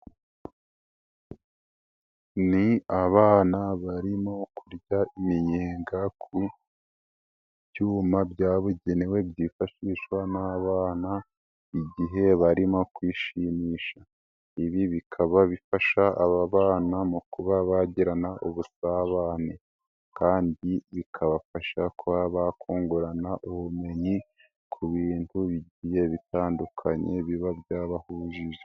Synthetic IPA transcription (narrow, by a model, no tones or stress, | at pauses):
niaβaːnaβaɾimo̞kuɾɟaimiɲeːŋɡakʰu | bɟuːmabjaːβuɟe̞newe̞bjiːfaʃiːʃwanaβaːna | iɟiɦe̞βaɾimo̞kwiːʃimiːʃa | iβiβikʰaβaβifaʃaːβaβaːnamukuβaβaɟiɾanaʔuβusaβaːne | kaːndiβikʰaβafaʃakuβaβakʰoːŋɡoɾanaʔuβume̞ɲi | kʰuβiːntuβiɟiːje̞βitaːndukʰaɲe̞βiβabjaːβahuːʒiʒe